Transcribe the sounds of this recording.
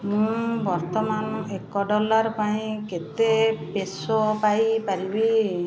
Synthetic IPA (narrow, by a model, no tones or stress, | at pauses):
mũbɔɾt̪ɔmanekɔɖɔlaɾpaĩket̪epesɔpajpaɾibi